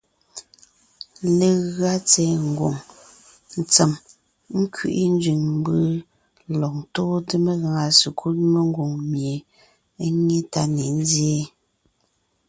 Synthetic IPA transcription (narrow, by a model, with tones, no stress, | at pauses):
le˨ɣa˦t͡sɛ˨˦ŋ̩˨ɡo̰˨ŋ | n̩˨t͡se˨m | ŋ̩˦kʰɥḭ˦˨ʔi˦n˦d͡ʒɥi˨ŋm˦bɯ˦ | lɔ˨k̚toː˦də˦me˦ɣa˨ŋa˨su˨kʰu˦tme˦ŋ˦ɡo˨ŋmje˨˦ | ŋe˦ta˦ne˨n˦zje˦